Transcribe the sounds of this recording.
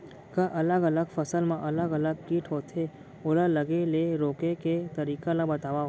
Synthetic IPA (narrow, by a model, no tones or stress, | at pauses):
kaʔɐləɡɐləɡfɐsəlmãʔɐləɡələɡ̚kiːʈʰɦoːt̪ʰe | ʊlələɡeleɾoːkeket̪ɐɾiːkalabɐt̪aːʋaɦoː